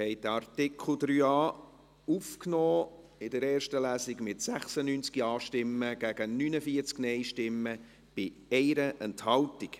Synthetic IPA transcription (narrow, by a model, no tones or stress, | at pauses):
hɛɪd̥̪əɑrtɪkʰl̩ˠd̪ɾyːɑː | ufknɔː | ɪdəɾɛːɾʃtəlæːsiɡmɪtsæχsənynt͡skiɑːʃtɪmːəɡ̥æɡ̥ənynəfiəɾt͡sknɛɪʃtɪmːə | b̥ɪ | ɛɪɾəʔɛnthɑltik